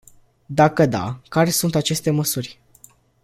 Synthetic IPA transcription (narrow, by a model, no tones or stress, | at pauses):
d̪akəd̪a̰kaɾe̞sunt̪at͡ʃe̞st̪e̞məsurʲ